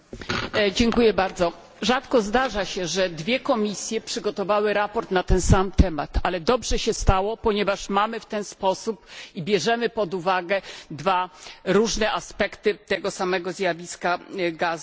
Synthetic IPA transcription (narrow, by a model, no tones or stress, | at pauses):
d͡ʑɛŋkujɛbaɾd̪zɔ | ʐat̪kɔzd̪aʐaɕɛʐɛd̪vʲjɛkɔmʲisʲjɛpʂɘɡɔt̪ɔvawɘɾapɔɾt̪nat̪ɛnsamt̪ʰɛmat̪alɛd̪ɔbʐɛɕɛst̪awɔpɔɲɛvaʂmamɘft̪ɛnspɔsupibʲjɛʐɛmɘpɔd̪uvaɡɛd̪vaɾuʐnɛʔaspɛkt̪ɘt̪ɛɡɔsamɛɡɔzjavʲiskaɡaz